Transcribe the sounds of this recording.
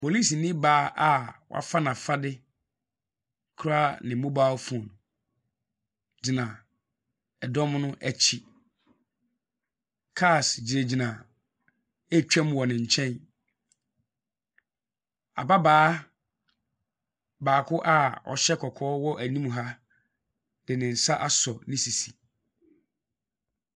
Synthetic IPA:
po˨li˦snɪ̃˦baː˨˦ʔa˦wɔ̰˨ʔa̰˦fa˦nã˨fa˦dɪ˦ | kʰɾa˦nɪ̃˨mõ˦baː˦fũ˨ɔ˨nʊ̃˨ | d͡ʑi˨nã˨ | ɛ˨dɔ˦mnʊ̃˦ʔæ˨t͡ɕʰi˨ | kʰa˦˨sd͡ʑi˨ɾe˨d͡ʑi˨nã˨ | ɛ˦t͡ɕᶣɛ̃˦mwɔ˨nɪ̃˨ɲ̩˨t͡ɕʰɛ̃˦n | a̰˨ba˦baː˦ | baː˨kʰʊ˦ʔa˦ɔ̰˨ɕɛ˦kʰɔ˨kʰɔː˦wɔ˦ʔæ˨nĩ˦m˨ɦa˦ | d̥ɪ˨nɪ̃˨n̩˨sa˦ʔa˦sɔ˨nɪ̃˦si˨si˨

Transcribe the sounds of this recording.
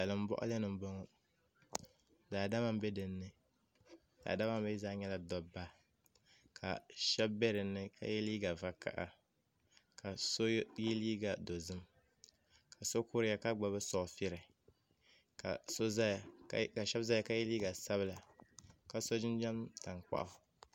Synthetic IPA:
a˨lɨ˨m̩˦bɔ̰˦ʔʊ̰˦lɛ˦nɨ˨m˦bo˦ŋɔ˦ | daː˨da˦ma˦m˦bɛ˦dɨ˨nːɨ˦ | d̥a̰ː˨da˦ma˦m˦bɛ˦zaː˦ɲɛ˦la˦dɔ˨ba˦ | kʰa̰˨ʃɛ˦bbɛ˦ɾɨ˨nːɨ˦ka̰˦jɛ˦liː˦ɡa˨va˦ka̰˦˨ʔa̰˨ | ka˨so˦jɛ˦liː˦ɡa˨do˨zɨ˦m | ka˨so˦ku˦ɾɪ˦ja˦ka˦ɡ͡ba˨bɨ˦sɔ˨fɪ˦ɾɨ˨ | ka̰˨so˦za˦jka˨ʃɛ˦bza˦ja˨ka˦jɛ˦liː˦ɡa˨sa˦βɨ˦la˨ka˨so˦d͡ʒɪ˦n˦d͡ʒɛ˦mta˨ŋk͡pa̰˦ʔ

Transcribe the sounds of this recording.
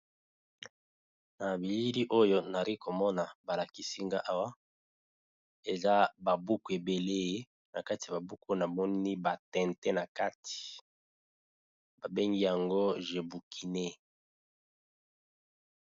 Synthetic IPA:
na˨bi˨li˦li˦ʔo˦jo˦na˨ʁi˦ko˨mɔ˦na˨ba˨la˨ki˨si˦ŋɡa˦ʔa˦wa˦ | e˨za˦ba˨bu˦ku˨e˨be˨le˦je˦ | na˨ka˦ti˨a˨ba˨bu˦ko˦na˨mɔ˦ni˦ba˨tɛ̃˨ntɛ˦na˨ka˦ti̥˨ | ba˨be˦ŋɡi˦ja˨ŋɡo˦ʒe˨bu˨kʰi˨ne˦

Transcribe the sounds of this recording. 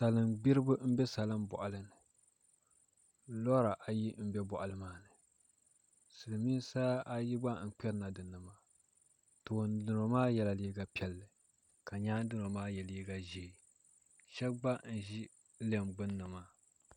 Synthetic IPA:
sa˨lɨ˦mɡ͡bi˦ɾɨ˦bɨ˦m̩˦bɛ˦sa˨lɨ˦mbɔ˨ʔa˨lɨ˦nɨ˨ | lɔ˦ɾa˨ʔa˨ji˦m̩˦bɛ˦bɔ˨ʔa˨lɨ˦maː˦nɨ˨ | sɨ˨lɨ˨miː˦sa˦ʔa˦ji˦ɡ͡ba˦n̩˨k͡pɛ˦ɾna˨dɨ˨nɨ˨maː˦ | to˨ndɨ˨no˨maː˦jɛ˨la˨liː˦ɡa˦pɛ˨lːɨ˨ | ka˨ɲaː˦dɨ˦no˨maː˦jɛ˨liː˦ɡa˦ʒe˨ | ʃɛ˦bɡ͡ba˦n̩˨ʒi˦ | le˦mɡ͡bɨ˦nːɨ˨maː˦

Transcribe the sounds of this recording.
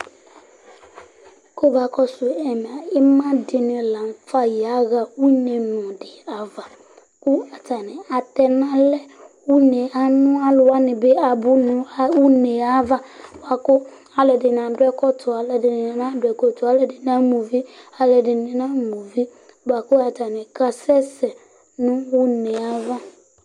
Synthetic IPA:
ko˦ba˨kɔ˦sʊ˨ɛ˨m˨a˨ɪ˦mã˦dɪ˨nɪ̃˨lã˨m˨fa˦ja˨˦ɣa˨u˦ne˨nʊ̃˨dɪ˨a˨va˨ | kʊ˦a˨ta˨nɪ̃˨a˨tɛ˨nã˦lɛ˦wu˦ne˨a˦nʊ̃˦a˦lʊ˨wa˦nɪ̃˨be˦a˨bʊ˦nʊ̃˨˦wu˦ne˨a˦va˦ba˨kʊ˦ | a˨lɛ˨dɪ˨n˨ã˨dʊ˦ɛ˦kɔ˦tʰʊ˨a˨lɛ˨dɪ˨nɪ˨nɪ˨nã˦dʊ˨ɛ˨kɔ˨tʊ˨a˦lɛ˨dɪ˨n˦a˦mu˨vi˦a˨lɛ˨dɪ˨nɪ̃˨nã˦mu˨vi˦ | ba˨kʊ˦a˨ta˨nɪ̃˨ka˨sɛ˦sɛ˨ | nʊ̃˦wʊ˦ne˨a˦va˦

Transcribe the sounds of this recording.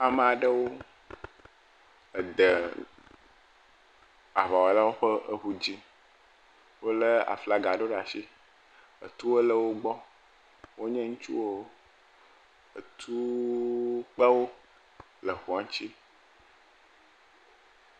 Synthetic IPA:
a˨mə̃˨a˨ɖə˦wo˦ | ə˨d̪ə˨ | a˨va˨wo˨la˦wo˦ɸə˦ə˦ɸu˦d͡ʑi˦ | wo˦lə˦a̰˨fla˦ɡa˨ɖo˦ɖa˨ʃi˦ | ə̰˨t̪u˦wo˦lə˦wo˦ɡ͡bɔ˦ | wo˦ɲɛ̃˦ŋũ˦t͡ʃṵ˦wo˦ | ə̰˨t̪ʰu˦ | k͡pə˦wo˦ | lə˨xu˨a˨ŋ˦t͡ɕi˦

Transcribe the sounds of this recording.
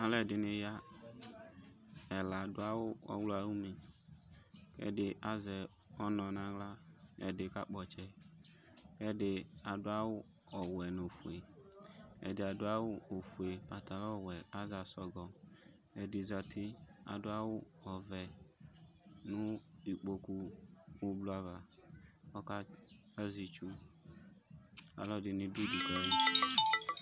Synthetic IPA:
a˦lɛ˨dɪ˨nɪ˨ja˦ | ɛ˨la˨dʊ˦a˦wʊ˦ɔ̰˨wlo˦a˨wu˦me˨ | kɛ̰˦dɪ˨ʔa˦zɛ˨ | ɔ˦nɔ̃˨nã˨ɡla˦ɛ̰˨dɪ˨ka˦k͡pɔ˨t͡ʃɛ˨ | kɛ˦dɪ˨a˨dʊ˦a˦wʊ˦ | ɔ˨wɛ˨no˨fu˨e˨ | ɛ̰˨dɪ˨a˨dʊ˦a˦wʊ˦o˨fu˨e˨pa˨ta˨lɔ˦˨wɛ˨a˦za˨sɔ˦ɡɔ˨ | ɛ˨di˨za˨tʰɪ˦a̰˨dʊ˦a˦wʊ˦ɔ˨vɛ˨ | nʊ˦i˨k͡po˨kuː˦ | blu˨˦a˨va˨ | ɔ˦ka˦ | a˦zi˨t͡ʃu˦ | a̰˨lɔ˦dɪ˨ni˧bi˦du˨kɔ˦li˦

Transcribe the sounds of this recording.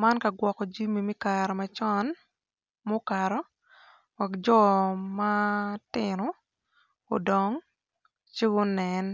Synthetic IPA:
ma˦nka˨ɡwɔ˨kɔ˨d͡ʒi˦mi˨mi˦ka˨ɾɔ˨ma˨t͡ʃɔ˦n | mo˦ka˨ɾɔ˦ | wa˨kd͡ʒɔ˦matɪno˨ | o̰˨dɔ˨ŋ | t͡ʃi˦ɡo˦nɛ˨n

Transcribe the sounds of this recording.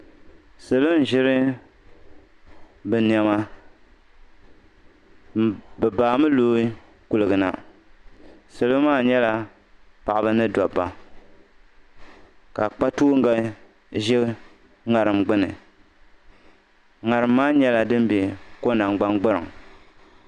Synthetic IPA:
sɨ˨lo˦n˨˦ʒɪ˦ɾɨ˦ | bɨ˨ni˨a˨ma˦ | bɨ˨baː˨mɨ˦loː˦i˦ | ku˨lɨ˨ɡɨ˨na̰˨ | sɨ˨lo˦maː˦˨ɲɛ˦la˦ | pa˨ʔa˨bɨ˦nɨ˦dɔ˨bːa˨ | ka˨k͡pa˦tuː˦ŋ˦ɡa˨ | ʒɛ˦ | ŋa˨ɾɨ˨mɡ͡bɨ˦nɨ̰˨ | ŋa˨ɾɨ˨mːaː˦ɲɛ˦la˨dɨ˦m˦bɛ˨ko˦na˨ŋɡ͡ba˦ŋɡ͡bɨ˦ɾɨ˨ŋ˨

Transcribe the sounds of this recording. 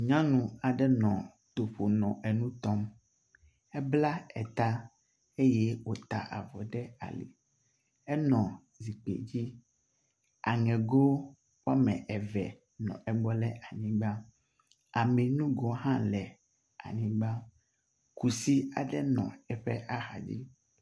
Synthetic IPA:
ɲã˦nũ˨a˨ɖɛ˦nɔ̃˨ | t̪o˨ɸo˨nɔ̃˨ʔɛ˨nũ˦t̪ɔ˦m | ɛ˦bla˦ɛ̰˨t̪a˦ | e˦jɛ˦wo˦t̪a̰˨ʔa̰˨vɔ˨ɖɛ˦a̰˨lḭ˨ | ɛ˦nɔ̃˨ | zi˨k͡pḛ˨d͡ʑi˦ | a̰˨ŋɛ̃˨ɡo˦ | wa˦mɛ̃˨ʔɛ˨vɛ˨ | nɔ̰̃˨ɛ˨ɡ͡bɔ˦lɛ˦ʔa˨ɲĩ˨ɡ͡ba˦ | a˨mɛ˨nũ˦ɡɔ˨ɦã˦lɛ˨ | a̰˨ɲĩ˨˦ɡ͡ba˦ | ku˨si˦a̰˨ɖɛ˦nɔ̰̃˨ɛ˦ɸɛ˦ʔa˦xa̰˨d͡ʑḭ˦

